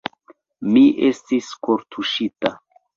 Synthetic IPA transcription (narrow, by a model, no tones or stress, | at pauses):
miʔe̞stiskoɾtʰuʃita